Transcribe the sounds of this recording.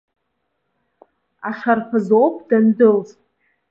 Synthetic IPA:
aʂarχʰazowpʼʰdandɨlʼ

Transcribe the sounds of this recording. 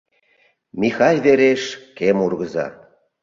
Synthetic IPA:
mʲixɑjβeɾeʃkemurɣəzɑ̰

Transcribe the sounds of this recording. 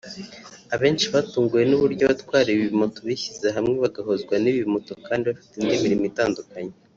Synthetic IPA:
aβe̞ːnʃiβatuːŋɡuje̞nuβuɾɟoβatwaːɾiiβiimotoβiçizeɦamŋeβaɡaɦo̞zɡwaniβimoto̞kaːndiβafi̥tindimiɾimitaːndukaɲe

